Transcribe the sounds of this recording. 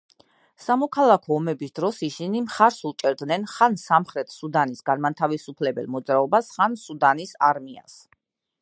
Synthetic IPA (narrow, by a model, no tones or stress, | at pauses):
samɔkʰalˠakʰɔːmɛbisd̪ɾɔsisinimχaɾsut͡ʃʼɛɾd̪nɛnχansamχɾɛt̪ʰsud̪anisɡanmat̪ʰavisupʰlɛbɛ̰lˠmɔd̪zɾaɔbasχansud̪anisaɾmia̰s